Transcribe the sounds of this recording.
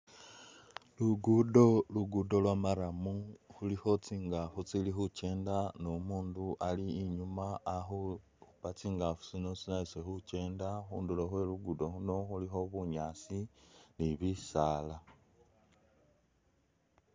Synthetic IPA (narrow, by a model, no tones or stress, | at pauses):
luɡudo̞luɡudo̞lwamaɾamuxulixo̞t͡siːŋɡafut͡silixut͡ʃe̞ːndanomuːnduʔaliːɲumaːxu | uβat͡siːŋɡafu̥t͡sino̞t͡sinaisexut͡ʃe̞ːndaxṵːnduloxwe̞luɡudo̞xuno̞xulixo̞βuɲaːsiniβisaːla